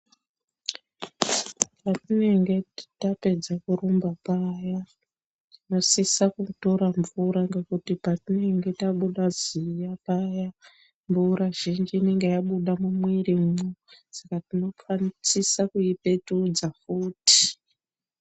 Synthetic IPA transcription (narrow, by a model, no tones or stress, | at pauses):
patine̞ŋɡe̞tape̞d͡zakuɾumbapaːja | tino̞sisakuto̞ɾaɱvuɾaŋɡe̞kutipatine̞ŋɡe̞taɓuɗazijapaja | mbuɾaʒ̥ind͡ʒiːne̞ŋɡe̞jaɓuɗamumwirimmusakatino̞fanit͡sisakuipe̞tuːd͡zafuːti̥